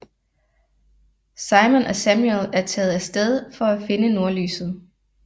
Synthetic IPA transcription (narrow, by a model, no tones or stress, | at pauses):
sɑ̈ɪmonʔɒ̽sæmjuelæɐt͡sʰɛ̰ːð̞̩ˠæsd̥eð̞ˠfɒ̽æfe̝nəno̝ɐly̰ːsð̞̩ˠ